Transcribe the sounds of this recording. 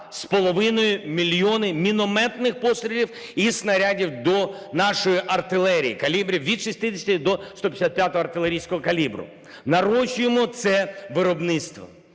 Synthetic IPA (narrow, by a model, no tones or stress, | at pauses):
spɔlˠɔʋɪnɔjʊmʲilʲjɔnɪmʲinɔmɛt̪nɪxpɔsɾʲilʲiw | isnɐɾʲadʲiwd̪ɔ | nɑʃɔjiʔɐrt̪ɪlˠɛɾʲḭjikɐlʲibɾʲiwʋʲid̪ʃisʲt̪ɪdʲɪsʲt̪ʲid̪ɔst̪ɔpʲjsʲat̪̚pʲjat̪ɔɦɔɐrt̪ɪlˠeɾʲijsʲkɔɦɔkɐlʲibɾʊ̰ | nɐɾɔʃʲʊjemɔt̪sɛʋɪɾɔbnɪt̪st̪ʋɔ̰